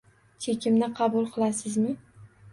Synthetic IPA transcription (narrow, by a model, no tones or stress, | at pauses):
t͡ʃʰekʲʰɪmnɪqʰɑbʊlˠqʰɨlˠasɪzmɪ